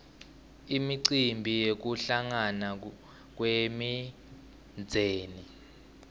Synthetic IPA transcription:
imiǀimbʱijek̬uɬaŋana | k̬wemi | nd͡zʱeːni

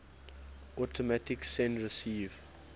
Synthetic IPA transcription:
ʔɔtʰɔmatɪksɛ̃nɹəsiːv̥

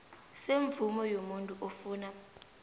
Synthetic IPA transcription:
seɱvumɔjomuntʼuʔofuːna

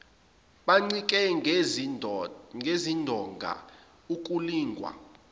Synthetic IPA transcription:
ɓaŋ͡ǀikʼɛ | ŋɡʱezindʱɔŋɡʱa̰ | ukʼuliːŋɡʱwa̰

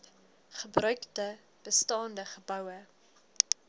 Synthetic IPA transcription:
χəbrœɥktə | b̥əstɑːndəχəbɐwə

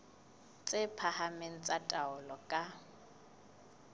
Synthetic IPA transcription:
t͡sʼɪpʰahameŋ̩t͡sʼatʼaʊlɔkʼa

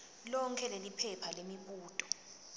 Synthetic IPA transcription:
lɔŋkʰɛlelipʰɛpʰalemiɓuːtʼɔ

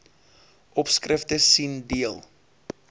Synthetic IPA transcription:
ʔɔpskrəftəsindiəlˠ

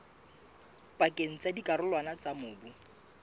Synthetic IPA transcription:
pʼakʼeŋ̩t͡sadikʼarʊlwanat͡samʊːbu

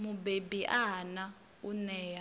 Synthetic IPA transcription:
mubebiʔaɦana | unɛɛːa

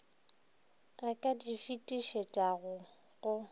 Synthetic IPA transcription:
akʼadifitʼiʃetʼaɣʊ | ɣʊ

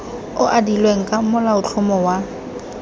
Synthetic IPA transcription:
ʊʔadilweŋ̩kʼamʊlaʊt͡ɬʰʊmɔwa

